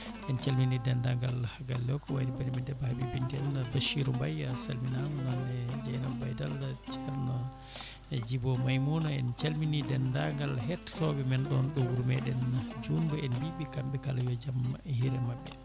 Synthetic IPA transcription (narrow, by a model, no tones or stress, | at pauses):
ʔɛnt͡ʃalminidɛndaŋɡalhaɡalːɛwkɔwanibaɾimɛndɛbahabibindɛnbaʃiɾumbajasalminannanɛd͡ʒajnabajdalt͡ʃaɾnɔ | ɛd͡ʒibɔmajmunɔɛ̰nt͡ʃalminidɛndaŋɡalɦɛttɔbɛmɛnɗɔnɗɔwuɾmɛɗɛnd͡ʒunduɛnbibikambɛkalajɔd͡ʒamhiɾɛmabːɛ